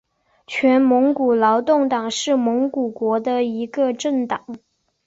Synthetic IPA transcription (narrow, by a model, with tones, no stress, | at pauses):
t͡ɕʰɥɛ˧˥nmɤ˧˥ŋku˨˩lɑ˧˥ʊt̪ʊ˥˩ŋt̪ɑ˨˩ŋʂɻ̩˥˩mɤ˧˥ŋku˨˩kwɔ˧˥d̪ə˧i˧˥ɡə˧ʈ͡ʂə˥˩ŋt̪ɑ˨˩˦ŋ